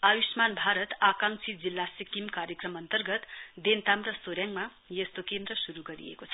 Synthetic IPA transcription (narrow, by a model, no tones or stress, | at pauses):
ajusmanbʱaɾʌt̪akaŋt͡sʰid͡zilːasikimkaɾjʌkrʌmʌnt̪ʌrɡʌt̪d̪ent̪amrʌsoɾjaŋma | jʌst̪okend̪ɾʌsuɾuɡʌɾḭḛkot͡sʰʌ